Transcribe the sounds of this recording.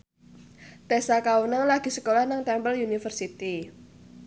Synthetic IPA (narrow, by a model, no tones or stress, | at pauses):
t̪esakawənəŋlaɡ̥i̤səkolahnaŋt̪ɛmbəljunifərsit̪i